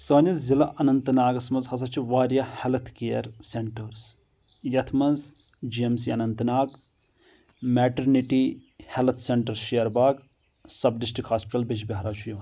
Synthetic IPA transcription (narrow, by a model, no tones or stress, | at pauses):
səːnɐzilɐʔɐnɐnt̪naːɡɐsmɐnzhɐs̬ɐt͡ʃʰiʋaːɾjɐhelɐt̪ʰkejɐɾseɳʈɐɾs | jɐt̪ʰmɐnz | d͡ʒiemsiɐnɐnt̪naːɡ | mɛːʈɐɾniʈihelt̪ʰseɳʈɐɾʃijɐɾbaːɡ | sɐbɖisʈɾikhaːspiʈɐlbid͡ʒbʲɐɦɾaːt͡ʃʰujɐː